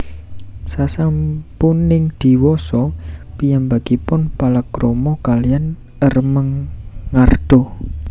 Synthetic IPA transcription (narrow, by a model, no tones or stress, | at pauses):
sasampunɪŋd̪̥i̤wɔsɔpijambaɡ̥ipʊnpalakɾomɔkalijan | ərməŋːard̪̥ɔ̤